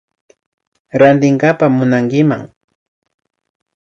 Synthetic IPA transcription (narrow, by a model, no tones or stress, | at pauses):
ɾant̪ɪŋkapamʊnaŋkɪma̰ŋ